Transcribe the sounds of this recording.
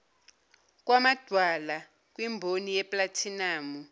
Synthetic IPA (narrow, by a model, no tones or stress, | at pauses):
k̬ʼwamad̥ʱwala | k̬ʼwimbʱonijɛpʼlatʰinaːmu